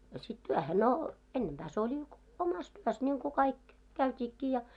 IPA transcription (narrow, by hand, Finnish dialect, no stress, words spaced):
ɑ sit tyæhe no enːempæː se olʲi omɑs tyøs nʲiŋku kɑik kæytʲiːkːiː jɑ